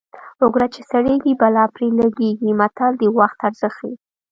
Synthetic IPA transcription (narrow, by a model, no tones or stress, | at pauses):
ʊɡɾat͡ʃesaɽeɡibalɑpɾelaɡeɡimat̪ald̪əwaxt̪aɾzəxi